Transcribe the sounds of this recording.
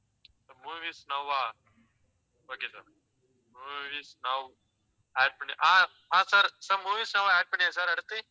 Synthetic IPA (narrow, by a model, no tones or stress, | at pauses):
t̪ɐmuːʋiːsnɐaː | oːkesɐɾ | muʋiːsnɐw | ɛːɖ̚pɐɳiʔãː | ɦãːsɐɾsɐɾmuːʋiːsnɐʋaːɛːɖ̚pɐɳ̃iãsɐɾɐɽt̪i